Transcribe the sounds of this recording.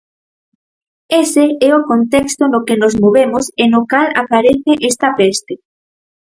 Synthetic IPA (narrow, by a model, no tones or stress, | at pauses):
eseɛokont̪ɛkst̪onokenozmoβemosenokalapaɾeθeʔest̪apest̪e